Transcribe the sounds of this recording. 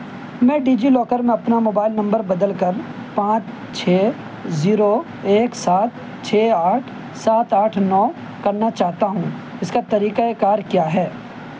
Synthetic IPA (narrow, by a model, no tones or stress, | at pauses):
mɛ̃ːɖiːd͡ʒilɔːkəɾmẽɐpnamoːbaːɪlnɐ̃mbəɾbɐd̪əlkɐɾ | pãːt͡ʃ | t͡ʃʰeː | ziːɾo | eːksaːt̪ | t͡ʃʰeːaːʈʰ | saːt̪aːʈʰnɔː | kɐɾnat͡ʃaːɦt̪aɦũː | ɪskat̪ɐɾiːkaekaːɾkjaːɦɛː